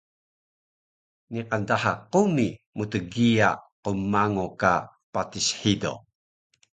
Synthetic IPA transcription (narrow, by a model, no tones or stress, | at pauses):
niqandahaqumi | mutəɡia̰qumːaŋoka | patisħido̰